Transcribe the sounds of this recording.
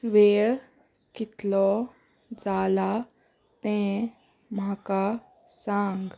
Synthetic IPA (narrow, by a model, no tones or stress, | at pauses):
ʋeːɭ | kɪt̪lɔ | d͡zaːla | t̪ɛ̃ | maka | sãŋɡ